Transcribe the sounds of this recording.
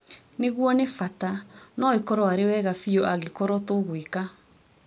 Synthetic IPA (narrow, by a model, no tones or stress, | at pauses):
neɣwɔnefatanɔikɔɾɔaɾewɛːɣafiɔʔaɣekɔɾɔtoɣwika